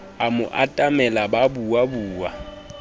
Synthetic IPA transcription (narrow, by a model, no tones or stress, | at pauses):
amʊʔatʼamɛlababuwabuːwa̰